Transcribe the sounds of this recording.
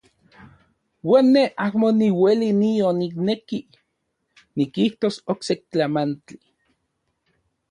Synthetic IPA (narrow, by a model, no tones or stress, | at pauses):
wanːeʔahmoniwelinionikneki | nikiht̪osoksek̚t͡ɬamant͡ɬi